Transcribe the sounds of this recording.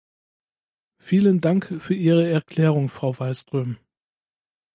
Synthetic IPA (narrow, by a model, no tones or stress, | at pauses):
fiːləndaŋkfyːɐʔiːʁ̞əɛɐkʰl̥ɛːʁ̞ʊŋfʁ̥aʊvalstʁ̥øːm